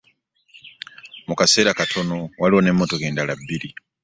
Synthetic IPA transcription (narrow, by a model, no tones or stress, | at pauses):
mukase̞ːɾakatʰo̞nowaliwone̞mːotoɡeːndalabːiɾi